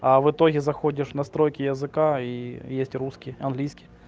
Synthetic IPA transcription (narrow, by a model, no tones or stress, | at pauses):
ɐvɨt̪oɣʲɪzɐxodʲɪʂnɐst̪ɾojkʲɪjɐzɨkaijesʲtʲruskʲɪɐnɡlʲijskʲɪj